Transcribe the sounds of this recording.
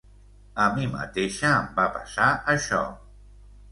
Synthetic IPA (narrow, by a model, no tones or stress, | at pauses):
əmimə̰t̪eʃaːmbapasaʔəʃɔ̰